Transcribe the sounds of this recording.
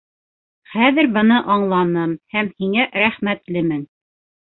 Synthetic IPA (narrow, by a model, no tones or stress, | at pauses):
χæðɘɾbɤ̆nɤʔɑɴlˠɑnɤmhæmhiŋæʔɾæχmæt̪lɘmɘn